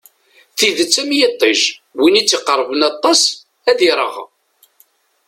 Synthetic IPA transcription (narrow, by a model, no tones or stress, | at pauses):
θiðət͡sːæmjet̪ˤːiʒwinit͡sːiqəɾˤːvənɑt̪ˤːɑs | æðiɾˤə̰ʁ